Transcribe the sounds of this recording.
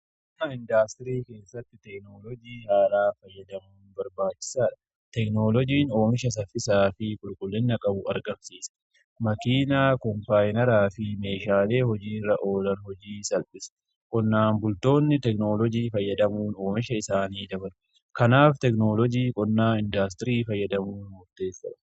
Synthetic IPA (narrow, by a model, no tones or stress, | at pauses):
k | nɐɪnd̪aːst̪ɪɾiːke̞ːsːɐt̪ːɪt̪ɛknoːlɔd͡ʒiːhaːlaːfɐjːɐd̪ɐmuːnbɐɾbaːt͡ʃːɪ̥saːᶑɐ̥ | t̪ɛkno̞ːlɔd͡ʒiːno̞ːmɪʃɐs̬ɐfɪsaːfɪkʼʊlkʼʊlːɪnːɐkʼɐbʊɐ̰ɾɡɐmsiːsɐ̥ | mɐkiːnaːkɔmpaːjnɐɾaːfɪme̞ːʃaːle̞ːhɔd͡ʒiːrːɐʔo̞ːlɐnhɔd͡ʒiːsɐlpʼɪsɐ̥ | kʼɔnːaːnbʊlt̪o̞ːnːɪt̪ɛkno̞ːlɔd͡ʒiːfɐjːɐd̪ɐmuːno̞ːmɪʃɐɪsaːniːd̪ɐbɐɾʊ | kɐnaːft̪ɛkno̞ːlɔd͡ʒiːkʼɔnːaːɪnd̪as̬t̪ɪɾiːfɐjːɐd̪ɐmuːnmʊɾt̪e̞ːsːɐ̰ᶑɐ